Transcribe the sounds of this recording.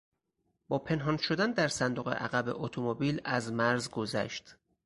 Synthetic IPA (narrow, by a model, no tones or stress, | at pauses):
b̥ɒːpʰe̞nɦɒːnʃo̞d̪ænd̪æɾsænd̪oɣḛʔæ̰ɣæbḛʔot̪ʰomobiːlæzmæɾzɡozæ̰ʃt̪